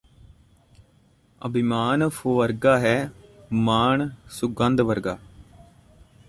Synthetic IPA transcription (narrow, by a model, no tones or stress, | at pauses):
ə̰bʱimaːnpʰoːʋəɾɡaːɦɛːmaːɳsʊɡə̃nd̪ʋəɾɡaː